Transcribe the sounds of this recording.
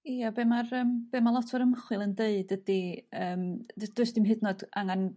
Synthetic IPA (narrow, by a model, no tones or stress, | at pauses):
iabemarəːmb̥eːmalˠɔtʰvɔɾəmχwɨlˠəndeɨdəd̥iəːmd̥ʊɨsd̥ɪmɦɨdnɔd̥aŋan